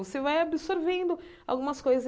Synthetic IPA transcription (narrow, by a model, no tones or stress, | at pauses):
vosevajabɪsoɾvẽnd̪ʊ | a̰wɡũmɐskojzɐz